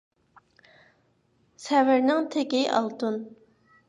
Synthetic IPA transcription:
sɛvɪɾnɪŋt̪ʰekʲiʔɑ̰lˠt̪un

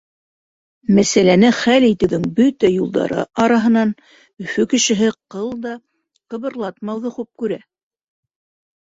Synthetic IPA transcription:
mæsælænɘχælit̪ɘ̆wðɘŋbɵt̪æjulˠd̪ɑ̰ɾɤ̰ʔɑɾɑɦɤ̆nɑn | ɵ̆fɵkɘ̆ʃɘ̆ɦɘqɤlˠd̪ɑ | qɤ̆βɤ̆ɾlˠɑt̪mɑwðɤχʉp̚kʉɾæ

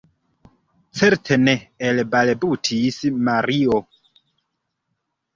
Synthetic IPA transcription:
t͡seɾtʰeneːlbalbutʰismaɾio

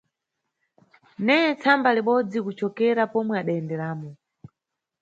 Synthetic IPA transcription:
nɛɛt͡sʰambaliɓɔd͡zikut͡ʃɔkɛɾapɔmwɛaɗaɛndɛɾaːmɔ

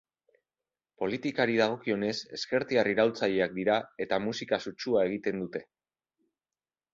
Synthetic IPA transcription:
po̞lit̪ikaɾiðaɣ̞o̞kio̞ne̞se̞̰ske̞ɾt̪iariɾawlt͡saʎe̞ak̚d̪iɾae̞t̪amusikasut͡ʃuae̞ɣ̞it̪e̞nd̪ut̪e̞

